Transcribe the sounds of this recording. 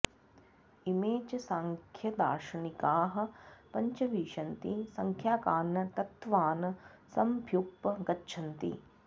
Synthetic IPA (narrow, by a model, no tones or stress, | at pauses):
imeːt͡ʃɐsaːŋkʰjɐd̪a̰ːʃɐnikaːɦɐ̆pɐɲt͡ʃɐʋiːʂɐnt̪isɐŋkʰjaːkaːnːɐt̪ɐt̪ʋaːnɐsɐmbʱjuk̚pːɐɡɐtːʃʰɐnt̪ḭ